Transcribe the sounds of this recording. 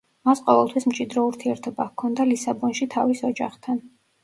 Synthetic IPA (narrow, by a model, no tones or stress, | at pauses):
masqʼɔvɛlˠt̪ʰwismt͡ʃʼid̪ɾɔuɾt̪ʰiɛɾt̪ʰɔbakʰɔnd̪alisabɔnʃit̪ʰavisɔd͡ʒa̰χt̪ʰan